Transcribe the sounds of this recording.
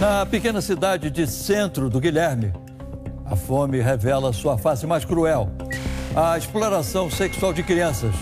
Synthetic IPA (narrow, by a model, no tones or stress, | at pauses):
nɐpekẽnɐsid̪ad͡ʒɪd͡ʒɪsẽnt̪ɾʊd̪ʊɡiʎɛɾmɪ | ɐ̰fõmɪɦevɛlɐsuɐfasɪmajskɾuɛw | ɐesploɾasɐ̃w̃seksuawd͡ʒɪkɾiɐ̃sɐs